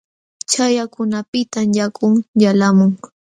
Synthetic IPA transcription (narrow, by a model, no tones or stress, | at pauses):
t͡ʃajakʊnapɪt̪amjakʰʼʊŋjalamʊŋ